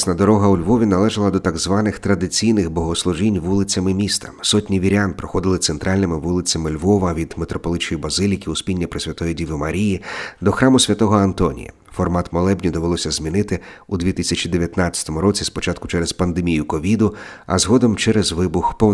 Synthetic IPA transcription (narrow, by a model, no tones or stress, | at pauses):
sʲnɐd̪ɔɾɔɦɐʊlʲʋɔʋʲinɐlˠɛʒɐlˠɐd̪ɔt̪ɐɡzʋɑnɪxt̪ɾɐd̪ɪt͡sʲijnɪxbɔɦɔslˠʊʒinʲʋulˠɪt͡sʲɐmɪmʲist̪ɐ̥sɔtʲnʲiʋʲiɾʲanpɾɔxɔd̪ɪlˠɪt̪sent̪ɾʔɑlʲnɪmɪʋulˠɪt͡sʲɐmɪlʲʋɔʋɐʋʲid̪met̪ɾɔpɔlˠɪt͡ʃɔjibɐzɪlʲikʲiʊspʲinʲːɐpɾɪsʲʋʲɐt̪ɔjidʲiʋɪmɐɾʲijid̪ɔxɾɑmʊsʲʋʲɐt̪ɔɦɔɐnt̪ɔnʲḭjɐ̰ | fɔrmɑt̪mɔlˠɛbnʲid̪ɔʋelˠɔsʲɐzʲmʲinɪt̪ɪud̪ʋʲit̪ɪsʲɐt͡ʃid̪eʋʲjɐt̪nat͡sʲːɐ̥t̪ɔmʊɾɔt͡sʲispɔt͡ʃɑt̪̚kʊ̥t͡ʃɛɾɛspɐnd̪emʲijʊkɔʋʲid̪ʊɐ̰zɦɔd̪ɔmt͡ʃɛɾɛzʋɪbʊxpɔ